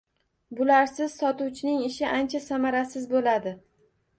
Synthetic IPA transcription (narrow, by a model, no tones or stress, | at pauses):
bʊlaɾsɪz̥sɒt̪uwt͡ʃʰɪnɪŋɪʃɪʔant͡ʃʰasamaɾasɪzbolad̪ɪ